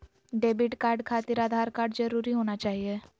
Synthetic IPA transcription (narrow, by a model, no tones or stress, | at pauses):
ɖeːbɪʈkaːɾɖkʰaːt̪iɾaːd̪ʱaːɾkaːɾɖd͡ʒɐɾuːɾiɦoːnat͡ʃaːɦie